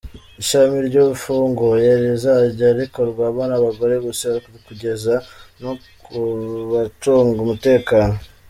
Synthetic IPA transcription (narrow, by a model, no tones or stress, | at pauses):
iʃamiɾɟoβufuːŋɡojaɾezaɟaɾiko̞ɾɡwaːβaːnaβaɡo̞ɾe̞βoseaɾikuβikuɟe̞zano̞kuβatoːŋɡumute̞ːkaːno̞